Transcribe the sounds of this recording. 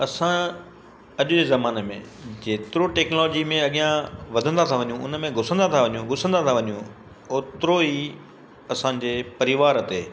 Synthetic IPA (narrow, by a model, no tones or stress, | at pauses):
ɐsã | ɐʄʊd͡ʑeːzɐmaːnemḛ̃ | d͡ʑeːt̪ɪɾoʈɛːknlːd͡ʑimẽɐɠijãʋɐd̪ʱə̃nd̪at̪ʰaʋɐɲjũʊ̰nəmẽɡʱʊsə̃nd̪at̪ʰaʋɐɲũɡʱʊsə̃nd̪at̪ʰaʋɐɲjũ | oːt̪ɪɾoiː | ɐsãːɲd͡ʑeːpɐɾɪʋaːɾɐt̪eː